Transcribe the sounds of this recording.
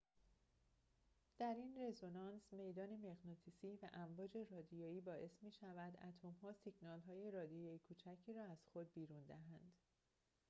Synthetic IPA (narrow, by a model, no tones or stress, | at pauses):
d̪̥æɾinre̞zonɒnsme̞jd̪ɒːne̞meɣnot̪ʰisiːvæʔæmvɒːd͡ʒe̞rɒːd̪ijoːiːbɒːʔe̞smiːʃævæd̪æt̪ʰomɦɒːsiɡnɒːlɦɒːje̞ɾɒːd̪ijɒikʰuːt͡ʃʰæcʰiːɾɒːæz̥xo̞d̪̚biːɾund̪æɦænd̪̥